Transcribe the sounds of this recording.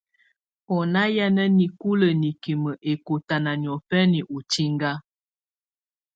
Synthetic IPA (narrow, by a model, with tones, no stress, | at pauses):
ɔ˨na˦ja˦nə˦ni˨ku˦lə˨ni˨ki˨mə˨ʔe˨ko˨ta˨na˨njɔ˨fɛ˦ni˨ʔo˨ti˦ŋɡa˦